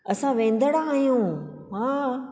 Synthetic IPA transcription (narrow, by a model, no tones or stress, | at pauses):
ɐsãʋẽːnd̪əɽãaɦijũ | ɦãː